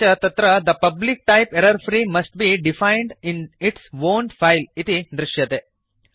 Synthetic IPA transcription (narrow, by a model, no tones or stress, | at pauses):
ɐt̪ɐt̪ɾɐd̪ɐpɐblik̚ʈaɪpeɾɐɾfɾiːmɐsʈ̚biɖifãɪ̃ɳɖɪ̃nɪʈsʋoːnɖfaɪlit̪id̪ɾɪʃjɐt̪e